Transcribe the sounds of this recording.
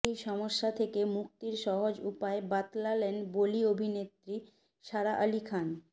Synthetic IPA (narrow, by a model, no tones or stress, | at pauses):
ejʃɔmoʃːat̪ʰekemuk̚t̪iɾʃɔɦod͡ʑupaebat̪lalenboliobʱinet̪ɾi | ʃaɾaʔalikʰan